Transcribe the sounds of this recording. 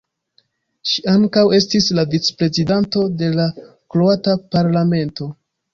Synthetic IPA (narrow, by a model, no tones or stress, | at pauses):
ʃiaŋkawe̞s̬tislavit͡spɾe̞zidanto̞de̞la | kloatapaɾlame̞nto̞